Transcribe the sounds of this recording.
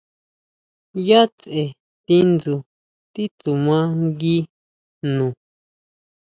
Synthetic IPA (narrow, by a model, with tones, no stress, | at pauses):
ja˦t͡se˨ | t̪i˧ndu˨ | t̪i˦t̪u˨mã˦ŋɡi˦ | nũ˨